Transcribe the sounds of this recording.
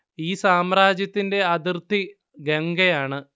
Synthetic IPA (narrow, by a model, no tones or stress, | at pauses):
iːsaːmraːd͡ʑjɐt̪ːinde̞ɐðirt̪i | ɡeŋɡɐjaːɳɨ